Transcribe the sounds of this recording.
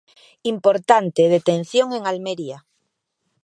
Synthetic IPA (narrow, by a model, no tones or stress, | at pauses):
impoɾt̪ant̪eð̞et̪en̟θjoŋeŋalmeɾia